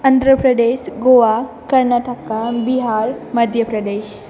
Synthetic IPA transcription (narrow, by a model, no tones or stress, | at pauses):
ə̃nd̪ɾəpɾəd̪eʃɡoʋa | kəɾnaʈəkabiɦaɾməd̪ʱjəpɾəd̪eːɕ